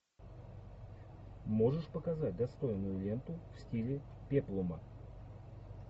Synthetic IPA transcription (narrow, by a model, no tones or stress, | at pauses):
mo̞ʐɨʂpəkɐzat̚ʲd̪ɐst̪o̞jnʊjʊlʲe̞nt̪ʊfsʲtʲilʲɪ | pʲeplˠʊmə